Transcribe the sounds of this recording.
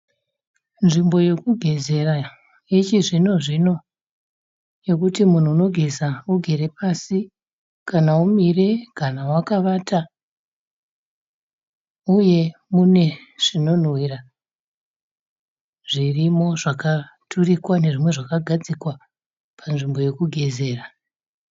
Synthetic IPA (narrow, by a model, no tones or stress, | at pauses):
nʐimbo̞jo̞kuɡʱe̞ze̞ɾa | it͡ʃiʐino̞ʐino̞ | jo̞kutimun̤uːno̞ɡʱezauɡʱe̞ɾe̞pasi | kanaumire̞kanawakaʋaːtʰa | uje̞mune̞ʐ̥ino̞n̤wira | ʐ̥irimo̞ʐaka | tʰurikwane̞ʐimwe̞ʐakaɡʱad͡zikwa | pʰanʐimbo̞je̞kuɡʱe̞ze̞ːra